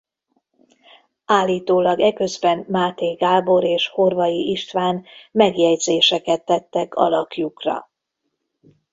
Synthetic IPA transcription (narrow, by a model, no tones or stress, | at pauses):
aːlːiːt̪oːlɒɡɛkø̞zbɛnmaːt̪eːɡaːbo̞ɾeːʃho̞rvɒjiʔiʃt̪ʋaːnmɛɡjɛɟzeːʃɛkɛt̪ːɛt̪ːɛkɒ̰lɒkjukrɒ̰